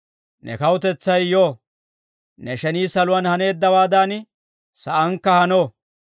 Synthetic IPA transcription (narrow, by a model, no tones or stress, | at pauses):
nɛ̰kɐwʊt̪ɛt͡sːɐjjoː | nɛʃɛniːsɐlʊwɐnhɐne̞ːd̪ːɐwaːd̪aːn | sɐʔɐŋkːɐhɐnoː